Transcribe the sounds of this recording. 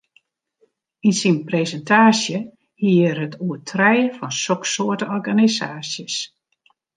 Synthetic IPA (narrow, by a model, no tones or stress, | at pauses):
insinpresəntʰaːsjə | hiːərɦətʰuətʰrɛjfɔnsɔksoətəɔrɡanisaːsjəs